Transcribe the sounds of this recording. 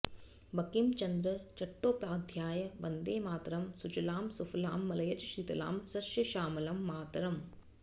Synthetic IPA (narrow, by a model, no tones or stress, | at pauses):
bɐkimt͡ʃɐnd̪ɾɐt͡ʃɐʈːoːpaːd̪ʱjaːjɐʋɐnd̪eːmaːt̪ɾɐmsud͡ʒɐlaːmsufʰɐlaːmːɐlɐjɐd͡ʒʃit̪ɐla̰ːmsɐʃjɐʃaːmɐlɐmːaːt̪ɐɾɐm